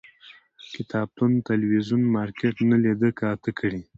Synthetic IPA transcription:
kɪt̪ɑb̚t̪unt̪alwizunmɑɾkeʈnalid̪əkat̪əkʰəɽi

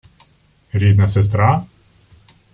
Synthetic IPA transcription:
ɾʲid̪nɐses̬t̪ɾɑ

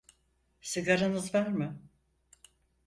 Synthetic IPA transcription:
sɨɡaɾanɯzvæɾmɪ

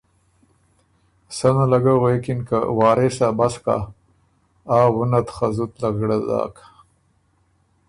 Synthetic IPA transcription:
sanalaɡawekɪnka̰wɑːɾesabaska̰ | aːwʊnat̪xazut̪laɡɽadɑ̰k

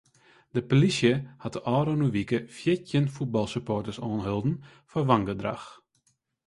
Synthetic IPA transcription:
d̥əpolisjəhatəʔɔːɾonuʋikəfjɪtjənfut̚bɑlˠsypɔrtəsɔːnɦølˠdn̩ | fɔrʋaŋɡədra̰x

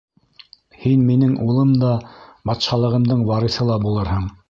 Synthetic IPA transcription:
hinminɘŋʔulˠɤmd̪ɑbɑt̪ʃɑlˠɤ̆ʁɤ̆md̪ɤɴwɑɾɤθɤlˠɑbulˠɤɾɦɤɴ

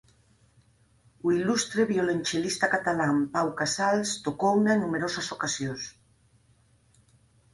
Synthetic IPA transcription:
uilust̪ɾeβjolenʲt͡ʃelist̪akat̪alampawkasalst̪okounaenːumeɾosasokasjons

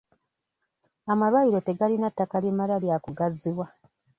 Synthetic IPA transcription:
amalwaiɾo̞te̞ɡalinatːakalimalaljakuɡazːiwa

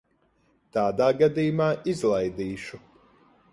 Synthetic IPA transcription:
t̪aːd̪aːɡad̪iːjumaːʔizlˠajd̪iːʃu

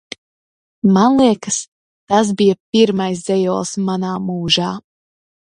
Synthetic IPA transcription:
manlˠiɛkɨs | t̪as̬bijapiɾmajs̬zɛjɔːlˠsmanaːmuːʒaː

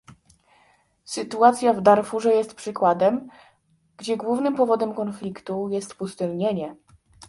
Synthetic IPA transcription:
sɘt̪uat̪sʲjavd̪aɾfuʐɛjɛst̪̚pʂɘkwad̪ɛm | ɡ̥d͡ʑɛɡwuvnɘmpɔvɔd̪ɛmkɔnflʲikt̪ujɛst̪pust̪ɘlɲeɲɛ

